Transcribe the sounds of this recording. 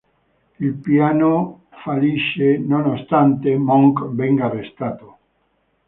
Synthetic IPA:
ilpjano | faliʃenonost̪ant̪emɔŋkbɛŋɡaːrest̪at̪o

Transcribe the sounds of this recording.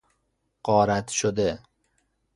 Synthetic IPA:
qɒːɾat̪ʃʊd̪ɪ

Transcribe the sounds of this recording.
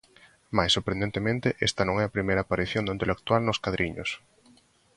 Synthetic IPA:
majsːoɾpɾẽnd̪ẽnt̪emẽnt̪ɪʔɛ̰st̪ɐnõŋɛapɾimejɾaːpaɾiθjõnd̪aint̪elek̚t̪walnʊskaðɾʔiɲʊ̰s

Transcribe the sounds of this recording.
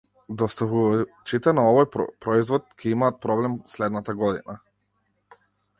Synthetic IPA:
d̪ɔst̪avuat͡ʃit̪ɛnaɔvɔjpɾɔizvɔt̪̚kʰɛimaːt̪̚pɾɔblɛmslɛd̪nat̪aɡɔd̪ḭna

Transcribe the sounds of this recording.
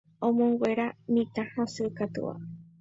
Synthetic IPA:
õmõŋɡwʷeɾamĩt̪ãhãsɨkat̪ṵʔa̰

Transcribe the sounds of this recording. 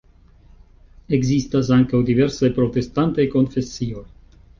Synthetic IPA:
e̞ɡzistas̬aŋkawd̪iveɾsajpɾo̞t̪e̞stant̪ajko̞nfe̞sio̞j

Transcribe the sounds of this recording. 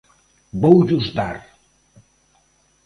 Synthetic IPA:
bowʒuzd̪a̰ɾ

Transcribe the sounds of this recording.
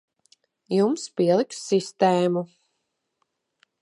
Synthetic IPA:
jumspiɛlˠiksːist̪eːmu

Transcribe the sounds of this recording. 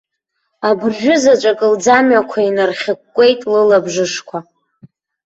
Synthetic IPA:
abɨrʒʷᶣʊzat͡ʃʷʼakʼɨld͡zamɥakʷʰainɨrχʲɪkkːʷʼe̞jtʼlɨlabʐɨʂkʷʰa

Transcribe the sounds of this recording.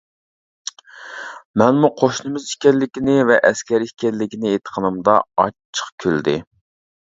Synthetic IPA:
mɛnmuqʰoʃnɨmɪzi̥kʲɛlːɪkʲinɪvɛʔɛskʲɛɾikʲɛllːɪkʲinɪet̪ʰə̥qʰənɨmd̪ɑ̰ɑːə̥χkʲʰøld̪ɪ̰

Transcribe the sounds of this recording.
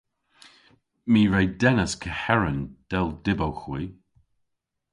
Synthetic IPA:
miːɹejdɛnəskʰəhɛɹənd̥ɛlˠdɪbowxwiː

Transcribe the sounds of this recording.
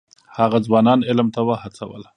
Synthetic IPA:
haɣad͡zwɑnɑnɪlmt̪awahat͡sawə̰la

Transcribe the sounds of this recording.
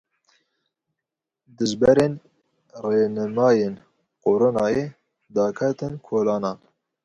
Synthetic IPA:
d̪ɨzbɛɾeːn | reːnɨmɑːjeːn | qoɾonɑːjeː | d̪ɑːkʰɛt̪ɨnkʰoːlɑːnɑː

